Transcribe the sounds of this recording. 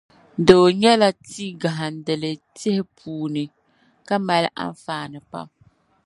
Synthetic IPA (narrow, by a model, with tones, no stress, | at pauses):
doː˨ɲɛ˦la˦tiː˦ɡa˨ɦa˨n˨dɨ˨lɨ˨tɪ˦hɪ˦pʰuː˨nɨ˨ | ka˦ma˦l̰ʔa̰˦ɱ˦faː˦nɨ˨pa̰˦m